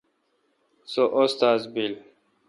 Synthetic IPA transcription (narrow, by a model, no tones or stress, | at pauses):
soʔost̪aːzbil